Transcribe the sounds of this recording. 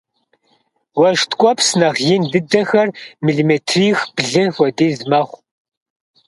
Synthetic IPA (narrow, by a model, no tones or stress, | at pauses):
wɐʒtʰkʷʼɔpʰsnɐʁjɪndɨdɐxɐrmiɮimetʰriːxb̥ɮɨnxʷɔdiːzmɐχʷ